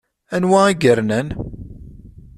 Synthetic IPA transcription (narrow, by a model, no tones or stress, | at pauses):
ænwæiɡəɾnən